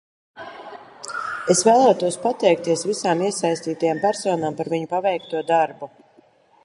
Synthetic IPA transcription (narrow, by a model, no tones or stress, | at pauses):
esvæːlˠaːt̪uɔspat̪ɛjk̚t̪iɛsvisaːmiɛsajst̪iːt̪ajampæɾsoːnaːmpaɾviɲupavɛjk̚t̪uɔd̪aɾbu